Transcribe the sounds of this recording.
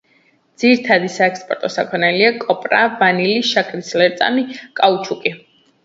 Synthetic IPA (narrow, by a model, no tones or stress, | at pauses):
d̪z̥iɾit̪ʰad̪isaɛkspʼɔ̰ɾt̪ʼɔsakʰwɛnɛliakʼɔpʼɾavaniliʃakʰɾislɛɾt̪sʼa̰mikʼaut͡ʃʰukʼi